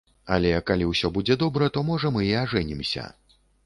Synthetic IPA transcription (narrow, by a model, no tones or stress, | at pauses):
a̰lʲɛkalʲiwsʲɔbud͡zʲɛd̪ɔbɾɐt̪ɔmɔʐɐmɨiaʐɛnʲimsʲɐ̰